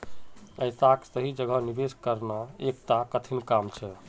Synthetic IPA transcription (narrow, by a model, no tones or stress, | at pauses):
əjsaksəɦid͡ʒəɡʱənibeskəɾnaekt̪akət̪ʰinkamt͡ʃʰɛ